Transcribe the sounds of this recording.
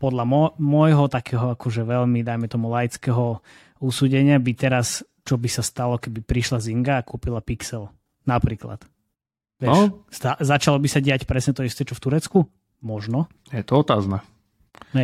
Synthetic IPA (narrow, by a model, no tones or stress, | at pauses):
pɔd̪ʎamɔmɔjɦɔt̪akɛːɦɔakɔʒɛʋɛʎmid̪ajmɛt̪ɔmulajt͡skɛɦɔ | usuːɟɛɲɪabit̪ɛɾas | t͡ʃɔbisast̪alɔkɛbipɾiʃlaziŋɡaːkuːpilapiksɛl | napɾiːkla̰t̪ | ʋɛst̪azat͡ʃalɔbisaɟɪacpɾɛsɲɛt̪ɔist̪ɛt͡ʃɔft̪uɾɛt͡sku | mɔʒnɔ | jɛt̪ɔɔt̪aːzna | ɛ